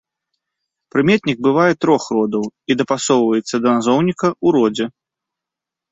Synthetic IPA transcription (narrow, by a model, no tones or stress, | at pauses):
pɾɨmʲɛt̪ʲnʲiɡ̚bɨvajɛt̪ɾɔxrɔd̪ɐwid̪ɐpasɔwvɐjɛt̪sːɐd̪ɐnazɔwnʲikɐʔuɾɔd͡zʲɛ